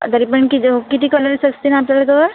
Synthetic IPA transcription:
t̪əɾipəɾɳkikit̪ikɔləɾsəkst̪inaapljalat̪oɾ

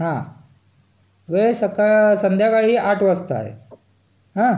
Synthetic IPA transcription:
ɦã | ʋesəkaɭsənd̪ʱjakaɭiaʈʰʋəst̪a̰ḛ | ɦã

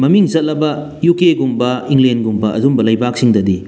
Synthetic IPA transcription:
mɐmiŋzɐt̚lɐbɐ | jukeɡumbɐiŋlenɡumbɐʔɐdumbɐlɐjbak̚siŋdɐdi

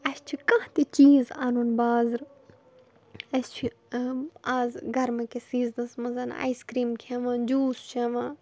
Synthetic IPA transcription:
ɐst͡ʃʰikɐ̃ːt̪it͡ʃiːzanunbaːzɾ | ɐst͡ʃʰi | aːzɡɐɾmɐkesiːznɐsmɐzɐna̰ːiskɾiːmkʰeʋãːd͡ʒuːst͡ʃʰeʋãː

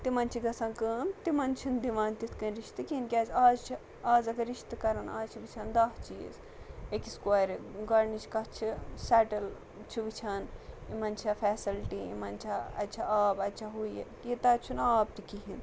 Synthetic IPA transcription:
t̪imɐnt͡ʃʰiɡɐsɐːnkəːnt̪imɐnt͡ʃʰind̪iʋaːnt̪it̪ʰkɐnɾiʃt̪ɨkiinkʲaːzaːzt͡ʃʰi | aːzɐɡɐɾiʃt̪ɨkɐɾɐnaːzt͡ʃʰiʋit͡ʃʰɐnd̪aːɦt͡ʃḭz | ekiskaɾɡɐɾnit͡ʃʰkɐɦt͡ʃʰisɛːʈɐl | t͡ʃʰiʋit͡ʃʰɐnimɐnt͡ʃʰɐfʰeːsilʈiḭmɐnt͡ʃʰɐɐ̰t͡ʃʰɐaːbɐt͡ʃʰɐɦujekit̪ɐt͡ʃʰunaːb̚t̪ikiɦin

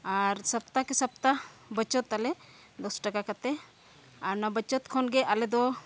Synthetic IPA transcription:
aɾsəp̚t̪akɛsəp̚t̪abət͡ʃɔt̪alɛ | d̪ɔsʈakakat̪ɛ | aɾnabət͡ʃɔt̪kʰɔnɡɛalɛd̪ɔ

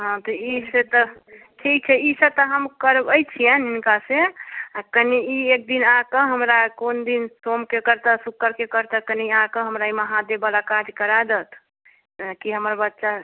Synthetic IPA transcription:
ɦãt̪ɔiset̪ɔ | ʈʰik̚t͡ʃʰɛisət̪əɦəmkəɾbəjt͡ʃʰijəninkaseakəniiek̚d̪inãkəɦəmɾakond̪insomkekəɾt̪əsukːəɾkekəɾt̪akəniãkə̃ɦəmɾaiməɦãd̪ebalakad͡ʒ̪kəɾad̪ət̪ʰ | t̪kiɦəməɾbətːʃa

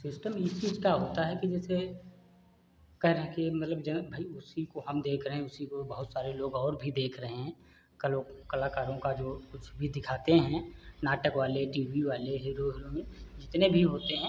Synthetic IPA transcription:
sɪsʈəmɪst͡ʃiːd͡ʒkaɦoːt̪aɦɛkid͡ʒɛːse | kɛɦɾɐɦẽkemɐt̪ləbd͡ʒɛbʱaiʊsikoɦɐmd̪eːkʰɾəɦẽʊsikobɐɦʊt̪saːɾeloːɡɔːɾbʱid̪eːkʰɾɐɦẽɦɛ̃ | kɐloːɡkɐlaːkaːɾõkad͡ʒoːkʊt͡ʃʰbʱid̪ɪkʰaːt̪eɦɛ̃naːʈəkʋaːleʈiːʋiʋaːleɦiːɾoɦɪlõmẽd͡ʒɪt̪nebʱiɦoːt̪eɦɛ̃ː

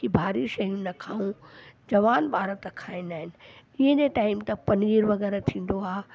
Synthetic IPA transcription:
ibʱaːɾiʃɐɦinɐkʰaːũd͡ʑɐʋaːnɓaːɾət̪kʰaːĩnd̪aːɦɪnɪ̆ɪɦẽɲeʈaːɪmt̪ɐpɐnɡiːɾʋɐɣɛːɾet̪ʰĩːn̆d̪oaːɦ

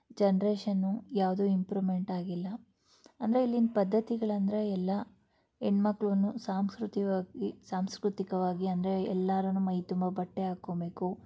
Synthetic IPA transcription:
d͡ʒɐnɐɾeːʂɐnːujaːʋd̪uimpɾume̞ɳʈaːɡilːɐ | ɐnd̪ɐɾeilːind̪pɐd̪ːɐt̪iɡɐɭɐnd̪ɐɾe̞ɛlːɐ | eɳɖmɐkːɭɐʋnːusaːmskɾut̪iʋaːɡisaːmskɾut̪ikɐʋaːɡiɐnd̪ɐɾeɛ̰lːaːɾɐnːumɐjt̪umbɐbɐʈːeaːkoːbe̞ːku

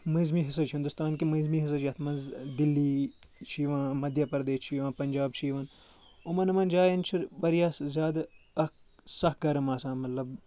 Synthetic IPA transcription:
mɐzmiɦɪsɐt͡ʃʰĩnd̪ʊst̪aːnkimɐzmiːɦis̬ɐt͡ʃʰiɐt̪ʰmɐnzd̪ilːiːt͡ʃʰiːʋãːmɐd̪jɐpɐɾd̪eːst͡ʃʰiːʋãːpɐnʲd͡ʒaːb̚t͡ʃʰiːʋɐːn | ʊmɐnɐmɐnd͡ʒaːjɐnt͡ʃʰiɾʋɐɾjaːszʲaːd̪ɐk | sɐhɡɐɾmaːsãːmɐt̪lɐb

